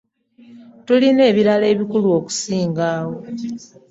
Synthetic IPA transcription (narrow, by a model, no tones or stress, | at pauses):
tuline̞ːβiɾale̞ːβikuluo̞ku̥siːŋɡaːwo̞